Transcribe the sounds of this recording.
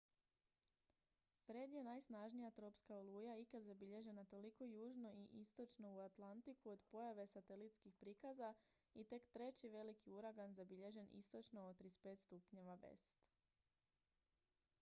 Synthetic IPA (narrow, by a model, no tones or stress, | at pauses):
fɾe̞d̪je̞najsnaʒnijat̪ɾo̞pskaolˠujaikad̪zabiʎe̞ʒe̞nat̪o̞liko̞juːʒno̞ʔiʔist̪o̞t͡ʃno̞uat̪lˠant̪ikuo̞d̪po̞jaʋe̞sat̪e̞lit̪skixpɾikaza | it̪e̞kt̪ɾe̞t͡ɕiʋe̞likiuɾaɡanzabiʎe̞ʒe̞nḭst̪o̞t͡ʃno̞ːt̪ɾispe̞ːt̪st̪upɲe̞ʋaʋḛst̪